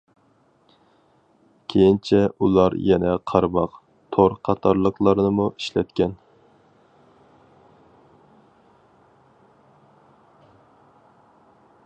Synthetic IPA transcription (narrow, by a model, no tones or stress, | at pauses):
kʲʰejint͡ʃʰɛulˠɑɾjɛnɛqʰɑɾbɑq | t̪ʰoɾqʰɑt̪ʰɑɾlˠəqlˠɑɾnɨmuʔiʃlɛt̪̚kʲɛn